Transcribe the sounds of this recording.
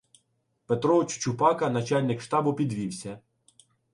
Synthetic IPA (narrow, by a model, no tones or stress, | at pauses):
pet̪ɾɔt͡ʃʊ̥t͡ʃʊpɑkɐnɐt͡ʃɑlʲnɪkʃt̪ɑbʊpʲid̪ʋʲiwsʲɐ